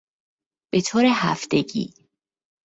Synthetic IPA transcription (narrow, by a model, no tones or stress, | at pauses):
b̥e̞t̪ʰoːɾeɦæft̪e̞ɡḭː